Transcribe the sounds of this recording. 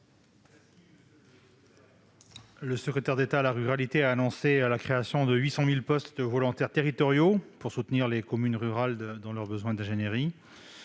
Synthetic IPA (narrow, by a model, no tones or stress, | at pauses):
ləsəkχet̪ɛʁd̪et̪alaʁyʁalit̪eaːnɔ̃sealakχeasjɔ̃d̪əɥisɑ̃milpɔst̪vɔlɔ̃t̪ɛʁt̪eʁit̪ɔʁjopuʁsut̪niʁlekɔmynʁyʁald̪ɑ̃lœʁbəzwɛ̃d̪ɛ̃ʒenjeʁi